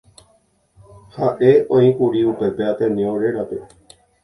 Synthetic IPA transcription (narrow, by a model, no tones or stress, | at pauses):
haʔeõĩkuɾiupe̞pe̞at̪ẽnẽõɾeɾape̞